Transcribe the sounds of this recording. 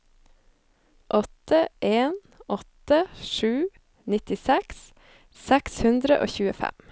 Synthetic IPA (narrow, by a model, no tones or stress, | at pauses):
ʔɔt̪ʰəʔeːn | ɔt̪əʃʉː | nɪt̪ɪsɛks | sækshʉnd̪ɾəʔo̰ːçʉːəfæ̰m